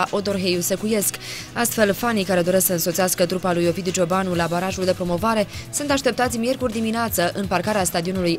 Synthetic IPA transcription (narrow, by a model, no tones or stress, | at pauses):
ʔo̞d̪o̞rɦejusekuje̞skast̪fe̞lfanikaɾe̞d̪o̞ɾe̞sksəɨnsot̪siaskət̪ɾupalujo̞fid̪d͡ʒo̞banulabaɾaʒuld̪e̞pɾo̞mo̞vaɾe̞sunt̪aʃt̪e̞p̚t̪at̪sʲmje̞rkurʲd̪imineat̪səʔɨnparkaɾeast̪ad̪io̞nuluj